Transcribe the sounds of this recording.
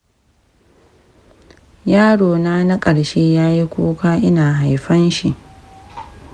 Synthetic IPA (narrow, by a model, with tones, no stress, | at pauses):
jaː˦ɽoː˨naː˦na˦kʼɐ˨ɽʃeː˦jaː˦ji˦kʷoː˦kaː˦ʔɪ˦naː˨ɦa˨jɸɐ˦nʃi˨ʔ